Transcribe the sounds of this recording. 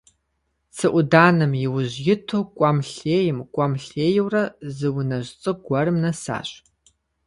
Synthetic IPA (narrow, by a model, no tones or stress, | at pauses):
t͡sʰɨʔʷʊdaːnɨmjɪwʊʑjɪtʰuːkʷʼɐmɬeːjɪmkʷʼɐmɬeːjwrɐzɨwnɐʑt͡sʼɨɡʷɐrɨmnɐsa̰ːɕʼ